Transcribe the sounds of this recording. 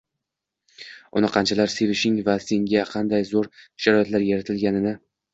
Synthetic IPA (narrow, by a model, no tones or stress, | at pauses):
ɒ̰naqʰɑnt͡ʃʰalaɾse̞vɪʃɪŋvase̞ŋɡʲaqʰɑnd̪ajzoɾʃaɾɒjat̪laɾjaɾat̪ʰɪlɡʲanɪnɪ